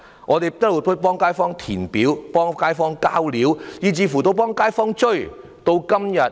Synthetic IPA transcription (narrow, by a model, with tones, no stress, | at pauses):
ŋɔː˨˧t̪e˨jt̪ɐ˥t̚wu˨˩pʰɵ˥pɔː˥ŋkaː˥jfɔː˥ŋt̪ʰiː˨˩npiː˨˥wpɔː˥ŋkaː˥jfɔː˥ŋkaː˥wliː˨˥wjiː˨˧t͡siː˨˧fu˨˩t̪o˧wp̬ɔː˥ŋkaː˥jfɔː˥ŋt͡ʃɵ˥ɥ | t̪o˧wkɐ˥mjɐ˨t̚